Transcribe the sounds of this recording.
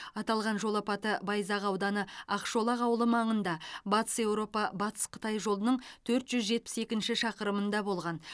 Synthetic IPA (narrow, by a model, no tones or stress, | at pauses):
ɑt̪ɑlˠʁɑnʒo̞lˠɑpɑt̪əbɑjzɑʁɑwd̪ɑnəɑqʃo̞lˠɑʁɑwəlˠəmɑɴənd̪ɑbɑt̪ə̥se̞wɾo̞pɑbɑt̪ʰə̥sqʰə̥t̪ɑjʒo̞lˠənəɴt̪ʰɵɾt̪ʒ̥ʏzʒe̞t̪̚pɪ̥se̞kʲɪnʃɪʃɑqəɾəmənd̪ɑbo̞lˠʁɑn